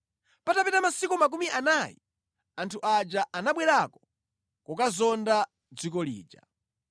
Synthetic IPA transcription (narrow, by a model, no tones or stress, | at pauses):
patapɛtamasikumak̬umiʔanaji | antʰuʔad͡ʒaʔanaɓwɛɾakɔ̥ | kɔkazɔnda | d͡zik̬ɔlḭːd͡ʒa̰